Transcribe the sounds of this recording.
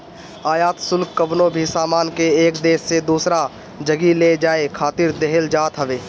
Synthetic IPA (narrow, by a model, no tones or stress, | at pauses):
aːjaːt̪sʊlkːəʋnobʱisaːmaːnkeeːkd̪eːʃːed̪uːsɾa | d͡ʒəɡiled͡ʒaːekʰaːt̪ɪɾd̪eɦəld͡ʒaːt̪ɦəʋeː